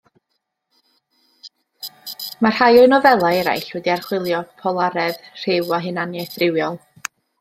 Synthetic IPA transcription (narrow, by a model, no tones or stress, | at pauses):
mar̥hajɔɨnɔvɛlˠaɛɾa̰jɬwɛdiarχwɪlˠjɔ̥pʰɔlˠaɾɛðr̥ɪwaɦɨnanjɛθrɪwjɔlˠ